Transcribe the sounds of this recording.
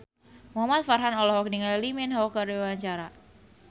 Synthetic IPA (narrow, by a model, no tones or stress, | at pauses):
muɦamat̪̚farɦanɔlɔɦɔk̚niŋallimɪnɦaɔkardewaɲt͡ʃaɾa